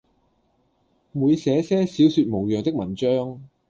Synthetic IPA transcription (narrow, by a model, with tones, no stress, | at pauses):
muː˨˧jsɛː˨˥sɛː˥si˨˥wsyː˧t̚mo˨˩wjœː˨ŋt̪ɪ˥k̚mɐ˨˩nt͡ʃœː˥ŋ